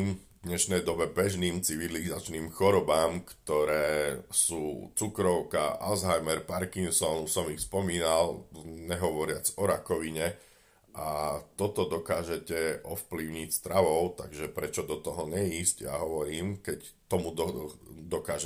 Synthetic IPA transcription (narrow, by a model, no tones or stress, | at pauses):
m | d̪ɲɛʃnɛjd̪ɔbɛbɛʒniːmt͡siʋilizat͡ʃniːmxɔɾɔbaːmkt̪ɔɾɛːsuːt͡sukɾɔʊkaʔa̰lzɦajmɛɾpaɾkiŋsɔnusɔmixspɔmiːnalɲɛɦɔʋɔɾɪat͡sɔɾakɔʋiɲɛ | ʔat̪ɔt̪ɔd̪ɔkaːʒɛcɛʔɔfpliʊɲicst̪ɾaʋɔʊt̪aɡʒɛpɾɛt͡ʃɔd̪ɔt̪ɔɦɔɲɛiːscja̰ɦɔʋɔɾiːmkɛct̪ɔmud̪ɔd̪ɔkaːʒɛ